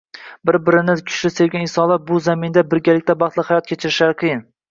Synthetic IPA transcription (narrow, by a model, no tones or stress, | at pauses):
bɪɾbɪɾɪnɪkʲʰʊ̥ʃlɪse̞ɾɡʲanɪsɒlˠaɾ̚bʊzamɪnd̪abɪɾɡʲalɪk̚ʲt̪ʰabɑχt̪lɪhajɒt̪̚kʲʰet͡ʃʰɪɾɪʃlaɾɨqʰɨjɪn